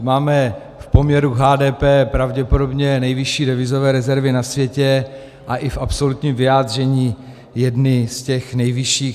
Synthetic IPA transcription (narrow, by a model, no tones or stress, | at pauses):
maːmɛ | fpo̞mɲɛɾuɦaːdɛːpɛːpɾavɟɛpodo̞bɲɛnɛjvɪʃiːdɛvɪzovɛːɾɛzɛɾvɪnasvjɛcɛ | ʔaʔɪfʔapso̞lut̪ɲiːmvɪjaːd̪r̝ɛɲiː | jɛdnɪscɛxnɛjvɪʃiːx